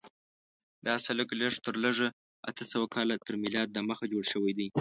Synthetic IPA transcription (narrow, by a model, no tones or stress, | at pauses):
d̪ɑsaləkləʐt̪əɾləʐə | a̰t̪əsawakɑlat̪əɾmɪlɑd̪̚ːəməxad͡ʒoɽʃəwajd̪aj